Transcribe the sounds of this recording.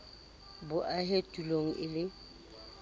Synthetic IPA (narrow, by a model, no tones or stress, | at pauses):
bʊʔaɦetʼuloŋ̩ʔɪlɪ